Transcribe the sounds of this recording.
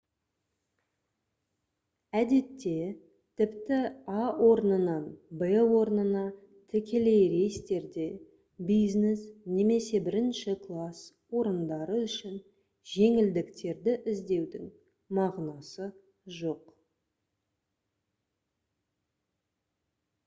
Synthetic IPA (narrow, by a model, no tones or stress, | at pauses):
æd̪e̞t̪ːe̞ | t̪ʰɪpt̪ɪawʔo̞ɾənənɑnbewo̞ɾnənɑ | t̪ʰɪkʲʰe̞le̞jɾe̞jst̪e̞ɾd̪e̞ | bijznesne̞me̞se̞bɪɾɪnʃɪkʰlˠas | wo̞ɾənd̪ɑɾəʏʃɪn | ʒe̞ŋɪld̪ɪkt̪e̞ɾd̪ɪʔɪzd̪e̞wd̪ɪŋ | mɑʁnɑsə | ʒo̞q